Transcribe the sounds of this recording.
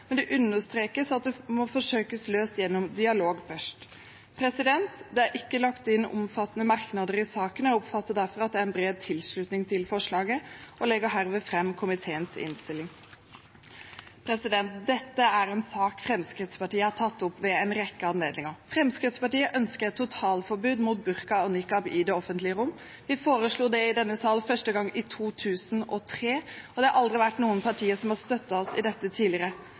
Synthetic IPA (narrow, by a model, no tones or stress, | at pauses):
mɛnd̪ɛʔʉnːəʂt̪ɾeːkəsɑt̪̚d̪ɛmɔfɔʂøːkəsløːst̪jɛnːɔmd̪ɪɑloːɡfœʂʈ | pʰɾɛsɪd̪ɛnt̪d̪ɛæɾʔɪkːəlɑkt̪ɪnːʊ̰mfɑt̪ːənəmɑɾknɑd̪əɾɪsɑːkənɔʊpfɑt̪ːəd̪æɾfɔɾɑt̪̚d̪ɛæːɾɛnbɾeːd̪̚t̪ʰɪlʂɭʉt̪nɪŋt̪ʰɪlfɔʂɭɑːɡəʔɔlɛɡəɦæɾʋeːfɾɛmːkʰʊmɪt̪ʰeːənsɪ̰nst̪ɪlːɪŋ | pʰɾɛsɪd̪ɛnt̪̚d̪ɛt̪ːəæɾɛnsɑːkfɾɛmskɾɪt̪spɑʈiːəhɑʈʰɑt̪ːʊpʋɛɛnɾɛkːəɑnleːd̪nɪŋəɾfɾɛmskɾɪt̪spɑʈiːəʔœnskəɾɛt̪ːʊt̪ʰɑːlfɔɾbʉːd̪muːt̪̚bʉɾkɑɔnɪkːɑbɪd̪ɛːɔfənt̪lɪəɾʊmː | ʋɪfoːɾəsɭuːd̪ɛɪd̪ɛnːəsɑːlfœʂʈəɡɑŋːɪt̪ʰuːt̪ʰʉːsn̩ɔt̪ʰɾeːɔd̪ɛɑɾʔɑld̪ɾɪʋæʈːnuːənpʰɑʈʰiːəsɔmhɑst̪œt̪ːɑɔsɪd̪ɛt̪ːət̪ʰiːlɪɾə